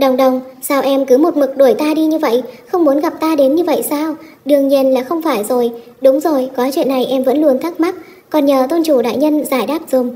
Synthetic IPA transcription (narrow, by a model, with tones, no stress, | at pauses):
ɗə˨˩wŋ͡mɗə˨˩wŋ͡msaː˧wʔɛ˧mkɨ˨˦mo˨˩t̚mɨ˨˩k̚ɗo˧˩əjt̪aː˧ɗi˧ɲɨ˧və̰˧˨jʔxə˧wŋ͡mmu˨˦ənɣa˨˩p̚t̪aː˧ɗe˨˦nɲɨ˧və̰˧˨jsaː˧w | ɗɨ˨˩əŋɲi˧ənlaː˨˩xə˧wŋ͡mfaː˧˩jzo˨˩j | ɗʊ˨˦ŋ͡mzo˨˩jkɔ˨˦jt͡ɕwḭ˧˨ənːa˨˩jʔɛ˧mvə̰˧˥nlu˧ənt̪ʰa˦˥k̚ma˦˥t̚ | kɔ˨˩nɲəː˨˩t̪o˧nt͡ɕu˧˩ɗa̰ː˧˨jɲə˧nzaː˧˩jɗaː˦˥p̚z̥ʊ˨˩ŋ͡m